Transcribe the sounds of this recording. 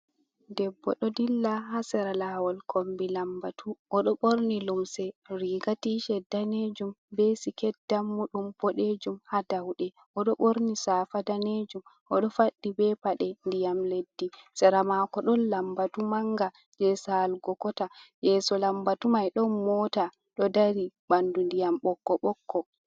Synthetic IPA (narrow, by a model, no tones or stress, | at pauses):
dɛbːɔɗɔdilːaɦasɛɾalawɔlkʰombilambatuʔɔɗɔɓoɾnilumsɛɾiːɡatiʃɛdːaned͡ʒumbesikɛdːamːuɗumbɔɗed͡ʒumhadawɗɛ | ʔɔɗɔɓoɾnisafadaned͡ʒum | ʔɔɗɔfaɗːibɛpaɗɛndijamledːisɛɾamakɔɗɔnlambatumaŋɡa | d͡ʒɛsalɡɔkɔtajɛsɔlambatumajɗɔnmɔta | ɗɔdaɾibandundijamɓɔkːɔɓɔkːɔ